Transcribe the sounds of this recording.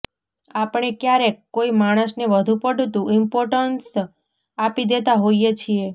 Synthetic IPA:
apɳ̃ekjaɾekːoimaɽ̃əsneʋəd̪ʱupəɖʱut̪ũɪmpoɾʈəns | apid̪et̪aɦoijet͡ʃʰie

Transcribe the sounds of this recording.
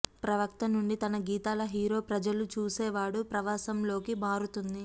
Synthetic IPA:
pɾɐʋɐk̚t̪ɐnuɳɖit̪ɐnɐɡiːt̪aːlɐɦiːɾo̞ːpɾɐd͡ʒɐlut͡ʃuːsɛːʋaːɽupɾɐʋaːsɐmlo̞ːkimaːɾut̪und̪i

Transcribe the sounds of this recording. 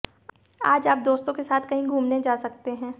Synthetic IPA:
aːd͡ʒaːp̚d̪oːst̪õkesaːt̪ʰkɐɦĩɡʱuːmned͡ʒaːsɐk̚t̪eɦɛ̃ː

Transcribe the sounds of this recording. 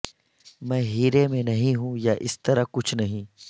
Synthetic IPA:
mɛ̃ːɦiːɾemẽnɐɦĩɦũjaʔɪst̪ɐɾakʊt͡ʃʰnɐɦĩː

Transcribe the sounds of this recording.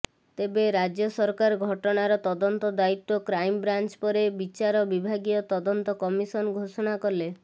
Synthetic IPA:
t̪ebeɾad͡ʒjɔsɔɾkaɾɔɡʱɔʈɔɽ̃aɾɔt̪ɔd̪ɔnt̪ɔd̪ait̪ːɔkɾajmbɾant͡ʃpɔɾebit͡ʃaɾɔbibʱaɡijɔt̪ɔd̪ɔnt̪ɔkɔmisɔnɡʱosɔɽ̃akɔle

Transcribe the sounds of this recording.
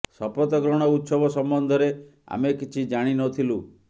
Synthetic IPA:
sɔpɔt̪ɔɡɾɔɽ̃ɔut̪sɔbɔsɔmbɔnd̪ʱɔɾea̰mekit͡ʃʰid͡ʒaɽ̃inɔt̪ʰilu

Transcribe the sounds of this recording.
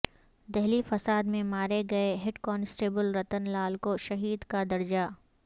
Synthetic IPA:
d̪ɛɦlifɐsaːd̪mẽmaːɾeɡɐeɦɪʈkɔːnɪsʈeːbəlɾɐt̪ənlaːlkoʃɐɦiːd̪kad̪ɐɾd͡ʒaː

